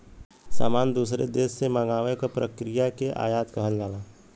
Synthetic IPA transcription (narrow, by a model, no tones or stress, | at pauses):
sa̰ːmaːnd̪uːsɾḛd̪eːsːemaɡaːʋekapɾəkɾijakeʔa̰ːjaːt̪kɐɦəld͡ʒaːlaː